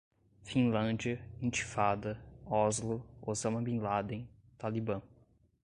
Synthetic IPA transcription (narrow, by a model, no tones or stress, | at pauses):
fĩnlɐ̃d͡ʒiɐĩt͡ʃi̥fad̪ɐɔzlʊozɐ̃mɐbĩlad̪ẽj̃ | t̪alibɐ̃